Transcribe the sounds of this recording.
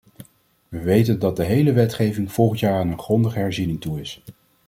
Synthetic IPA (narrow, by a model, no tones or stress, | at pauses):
ʋəʋejtəndɑt̚dəɦejləʋɛtχejvɪŋv̥ɔlˠχəntjaːɹaːnənχrɔndəχəɦɛɹzinɪŋtuɪs